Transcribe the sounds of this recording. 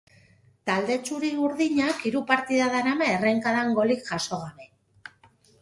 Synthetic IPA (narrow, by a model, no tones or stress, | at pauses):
t̪ald̪e̞t͡ʃuɾiuɾðiɲakiɾupaɾt̪iðaðanamaereŋkaðaŋɡo̞likʝaso̞ɣ̞aβe